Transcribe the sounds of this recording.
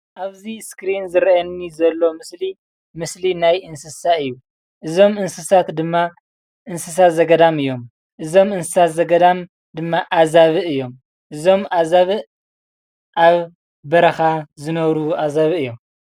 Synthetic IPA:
ʔaβziskɾinzɨɾɐʔɐnːizɐlːo̞mɨsli | mɨslinajʔɨnsɨsaɨjːu | ʔɨzo̞mɨnsɨsat̪d̪ɨmːa | ʔɨnsɨs̬at̪zɐɡɐd̪amɨjːo̞m | ʔɨzo̞mɨnsɨsat̪zɐɡɐd̪am | d̪ɨmːaʔazaβɨɨjːo̞m | ʔɨzo̞mʔazaβɨ | ʔaβ | bɐɾɐxazɨnɐβɾuʔazaβɨɨjːo̞m

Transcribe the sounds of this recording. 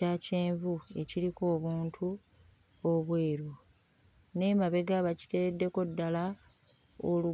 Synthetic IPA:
aceːɱvue̞ciɾiko̞ːβuːntʰu | o̞βwe̞ːɾu | ne̞maβe̞ɡaβaci̥te̞βedːe̞ko̞dːala | olu

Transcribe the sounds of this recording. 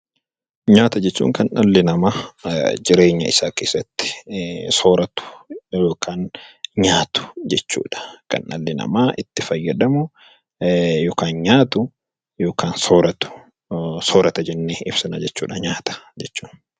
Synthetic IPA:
ɲaːt̪ɐd͡ʒɛt͡ʃːṵːŋkɐnʔɐlːɪnɐmaːd͡ʒɪɾe̞ːɲːɐ̰ɪ̰saːkeːsːɐt̪ːɪ̥soːɾɐt̪ʊ̥joːkʰaːnɲaːt̪ʊ̥d͡ʒɛt͡ʃːṵːᶑɐ̥kɐ̰nʔɐlːɪnɐ̰maːʔɪt̪ːɪfɐjːɐᶑɐmʊ | joːkaːnɲaːt̪ʊ | joːkʰaːnsoːɾɐt̪ʊ̥ | soːɾɐt̪ɐd͡ʒɛnːeːɪbsɐnɐd͡ʒɛt͡ʃːuːᶑɐɲaːt̪ɐ̥d͡ʒɛt͡ʃːu̥ːn

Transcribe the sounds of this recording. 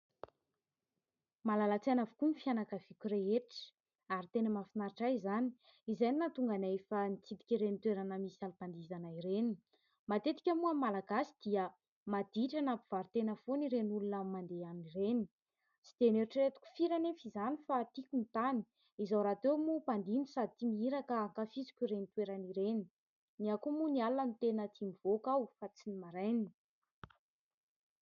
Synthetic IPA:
malalat͡senavu̥kunifianakəv̥ikʲuɾeɦeʈ͡ʂə̥ | aɾit̪enəmafinaɾiʈ͡ʂajzani̥ | izajninat̪uŋɡanefanit͡sit̪i̥kʲiɾenit̪weɾanəmisalipand̪izanaiɾeni̥ | mat̪et̪i̥kʲamuamalaɡasi̥d̪̥iə | mad̪̥iʈ͡ʂanapiv̥aɾt̪enəfoniɾenulunəmand̪eanireni̥ | t͡si̥d̪̥eneɾiʈ͡ʂiɾet̪u̥kʲu̥fiɾanefizanifat̪ikʲunit̪ani̥ | izawɾat̪ewmupand̪inisad̪it̪imiiɾakəːŋkafizi̥kʲuɾenit̪weɾaniɾeni | niakumunialːanit̪enət̪ʰimiv̥okawfat͡sinimaɾajni

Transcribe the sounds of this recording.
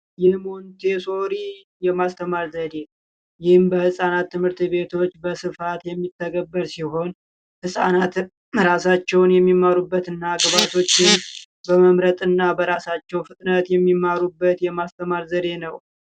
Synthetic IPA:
jɪhmont̪ʰe̞so̞ɾi | jɛmast̪ʰəmaɾzəd̪e̞ | jɪhɨmbəhɨsʼanat̪ːɨmhɨɾt̪βe̞t̪ʰo̞t͡ʃːbəsɨfat̪jɛmːit̪ʰːəɡəbːəɾsiɦo̞n | hɨsʼa̰nat̪ | ɾasat͡ʃːɛwnjɛmːimːaɾubːət̪ɨnːaɡβat̪ʰo̞t͡ʃːɪn | bəməmɾət̪ʼɨnːabəɾasat͡ʃːɛwfɨt̪ʼnət̪jɛmːimːaɾubːət̪jɛmast̪ʰəmaɾzəd̪e̞nəw

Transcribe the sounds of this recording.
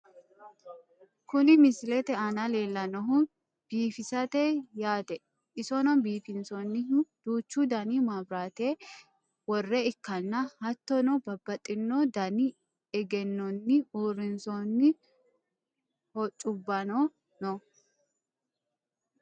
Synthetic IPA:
kʊnɪmɪslɛt̪ɛɐnɐle̞ːlːɐnɔɦʊn | b̥iːfɪsɐt̪ejaːt̪ɛ | ʔɪsɔnɔnbiːfɪnsɔnːɪd̪̥uːt͡ʃːuːd̪ɐniːmabɾaːt̪eː | wɔrːɛɪkːɐnːɐhɐt̪ːɔnɔbɐbːɐt̪ʼːɪnːod̪ɐni | ɛɡɛnːɔnːɪuːɾɪnsɔnːɪ | hɔt͡ʃʼːʊbːɐno | nɔ

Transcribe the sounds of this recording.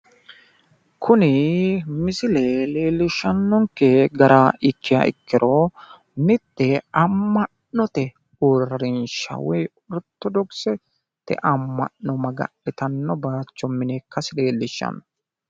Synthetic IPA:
kʰʊnɪmɪsɪlɛleːlːɪʃːɐnːɔŋkːɛɡɐɾaʔɪkːɪjɐ̰ʔɪ̰kːɪɾɔ | nɪt̪ːɛɐmːɐʔnːɔt̪ɛ | uɾɾɪnʃɐ̰wɛj | ʊɾt̪ːɔd̪ɔɡsɛ | t̪ːɛ̰ʔɐmːɐ̰ʔːɔmɐɡɐ̰ɗɛt̪ɐnːɔbaːt͡ʃːɔmɪnekʰːɐsɪleːlːɪʃːɐ̰nːɔ

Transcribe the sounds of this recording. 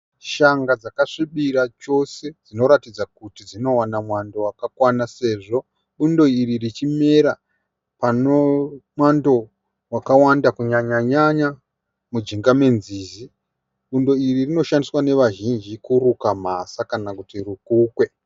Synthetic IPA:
ʃaŋɡad͡zakaʂiɓiɾat͡ʃo̞se̞d͡zino̞ɾatid͡zakutid͡zino̞wanamwando̞wakakwanase̞ʐo̞ | ɓundo̞iririt͡ʃime̞ɾa | panomwando̞ | wakawandakuɲaɲaɲaɲa | mud͡ʒiŋɡame̞nziːzi | ɓundo̞iririno̞ʃandiswane̞ʋaʒind͡ʒikuɾukamasakanakutirukukwe̞

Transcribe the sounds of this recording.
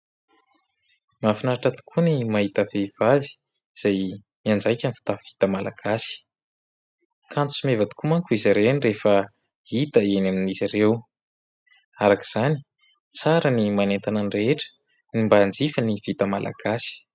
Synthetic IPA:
mafinaɾaʈ͡ʂat̪i̥kunimaɦit̪əvev̥avi̥ | z̥aj | miand͡zajkʲənifi̥t̪avvit̪amala̰ɡ̥asi̥ | kʰant͡sumevad̪i̥kumaŋkuiziɾenirefə | it̪əenaminizirew | aɾaki̥z̥ani̥ | t͡saɾənimanent̪ananireʈ͡ʂə̥ | nimband͡zifaniv̥it̪amalʔa̰ɡ̥asi̥

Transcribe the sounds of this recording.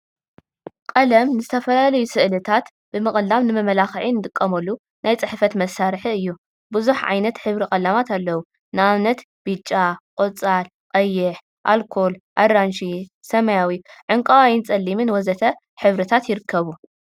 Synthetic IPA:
kʼɐlɐmnɨzɨt̪ʰɐfɐlalɐjusɨʔlɨt̪ʰat̪ | b̥ɨmɨχʼɨlːamnɨmɐmɐlaxʕinɨd̪ɨkʼːɐmɐlːu | nʔajt͡sʼɨħfɐt̪mɐsːaɾħiɨjːu | bɨzuħʕa̰jnɐt̪ħɨβɾikʼɐlamat̪ʰalːɐwu | nɨʔaβnɐt̪ | b̥ɨt͡ʃʼːaqʼot͡sʼal | qʼɐjːɪħ | ʔa̰lkʰo̞lʔadɾanʃisɐmɐjawiʕɨŋkʼɐwajɪnt͡sʼɐlːimɨnwɔzɐt̪ʰɐ | ħɨβɾɨt̪ʰat̪jɪɾɨkʰːɐβu

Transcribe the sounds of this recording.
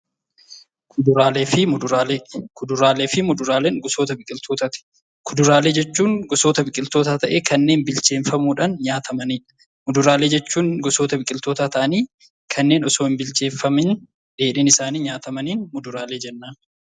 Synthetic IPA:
kʊd̪ʊɾaːleːfɪmʊd̪ʊɾaːlekʰʊd̪ʊɾaːleːfɪmʊd̪ʊɾaːleːŋɡʊso̞ːt̪ɐbɪkʼɪlt̪ʰoːt̪ɐt̪ɪ̥ | kʰʊd̪ʊɾaːle̞ːd͡ʒɛt͡ʃːuːŋɡʊsoːt̪ɐbɪkʼɪlt̪o̞ːt̪aːt̪ɐʔeːkɐnːe̞ːnbɪlt͡ʃe̞ːnfɐmuːᶑaːnɲaːt̪ʰɐmɐniːᶑɐ̥ | mʊd̪ʊɾaːleːd͡ʒɛt͡ʃːuːŋɡʊso̞ːt̪ɐbɪkʼɪlt̪o̞ːt̪aːt̪ɐʔɐniː | kʰɐnːe̞ːnɔsoːɪmbɪlt͡ʃe̞ːfːɐmɪn | ᶑe̞ːᶑɪːnɪsaːniːɲaːt̪ɐmɐniːnmʊd̪ʊɾaːle̞ːd͡ʒɛnːaːn

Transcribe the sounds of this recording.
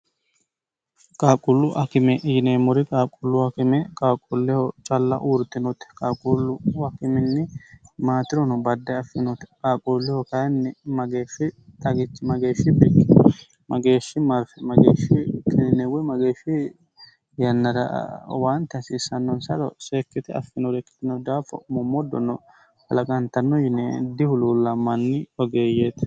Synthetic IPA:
kʼaːkʼʊlːʊʔɐkɪmɛʔɪjɪneːmɔɾɪkʼaːkʼʊlːʊɐkɪmɛkʼaːkʼʊlːɛhɔt͡ʃʼɐlːɐ̰ʔuːɾt̪ːɪnɔt̪ɛ̥kʼaːkʼulːʊɐkɪmɪnːɪmaːt̪ɪɾɔnʊbɐd̪ːɛɐfɪnɔt̪ɛ̥kʼaːkʼuːlːɪhɔkɐjnːɪmɐɡeːʃɪt̪ʼɐɡɪt͡ʃːmɐɡeːʃɪbɪɡɪ | mɐɡe̞ːʃːɪmɐɾfɛmɐɡḛːʃːɪkʰɪnɪnɛwɛmɐɡeːʃːɪ | jɐnːɐɾɐ̰want̪ːɐsiːsɐnːɔnsɐɾɔ̰seːkːɪt̪ɪɐ̰fːɪnɔɾɛkːɪ̥t̪ːɪnɔd̪aːfɔ̰mɔmːɔd̪ːɔ̰nːɔ̰ | hɐlɐkʼɐnt̪ːɐnːɔjɪnɛd̪ɪhʊluːlːɐmɐnːɪɔɡe̞ːjeːt̪

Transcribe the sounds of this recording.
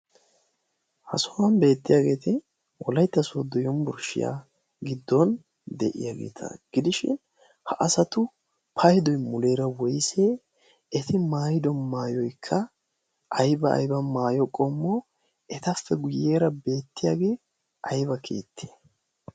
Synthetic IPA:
hɐsɔwɐnbe̞ːt̪ːɪjaːɡe̞ːt̪ɪ | ʔɔlɐjt̪ːɐsoːd̪ɔjɔnbʊɾʃɪ̰ja̰ː | ɡɪd̪ːɔn | d̪ɛʔɪ̰jaːɡḛːt̪ʰɐ̰ɡ̥ɪd̪ɪʃɪ̰n | hɐʔɐsɐt̪ʊ | pʰɐjd̪ɔjmʊle̞ːɾɐwɔjseː | ɛt̪ʰɪmaːjɪd̪ɔnmaːjɔjkʰːɐ | ʔɐjbɐɐ̰jbɐmaːjɔkʼɔmːɔ | ɛt̪ɐfːɛɡʊje̞ːɾɐbe̞ːt̪ːɪjaːɡe̞ː | ʔɐjbɐkʰe̞̰ːt̪ʰːe̥ː

